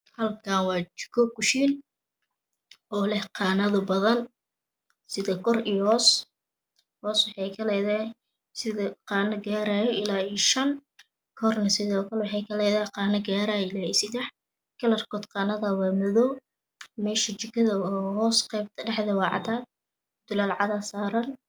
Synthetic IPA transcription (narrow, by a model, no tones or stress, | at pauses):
hɐlkʰaːnwɑːt͡ʃɪ̥kʰɔkʊʃiːn | ʔɔːlɛhqɑːnɐðʊbɐðɐn | sɪðɐkʰɔriːjhɔːs | hɔːswɑħɑjkʰɐlɛjða | sɪðɐqɑːnɐɡaːɾaːjɔʔɪlaːijʃɐn | kʰɔrnɐsɪðɔːkʰɐlwħɑjkʰɐlɛjðaːqɑːnɐɡaːɾaːjɪlaːisɪd̪ɛħ | kʰɐlɐrkʰɔt̪qɑːnɐðɐwaːmʊðɔw | mɛːʃɐt͡ʃɪkʰɐðɐɔːɦɔːsqɛjb̚t̪ʰɐɖɛħðɐwɑːʕɑ̰t̪ʰaːd̪̚ | d̪̥ʊlaːlʕɑðasaːɾɐn